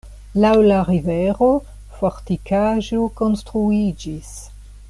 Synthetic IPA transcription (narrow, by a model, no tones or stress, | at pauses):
lawlaɾiveɾo̞ | foɾtikaʒoko̞nstɾuid͡ʒis